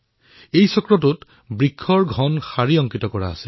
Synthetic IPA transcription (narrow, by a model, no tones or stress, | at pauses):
ejsɔkɹɔtut | bɹikʰːɔɹɡʱɔnxaɹiɔŋkitɔkɔɹa̰ːsɛ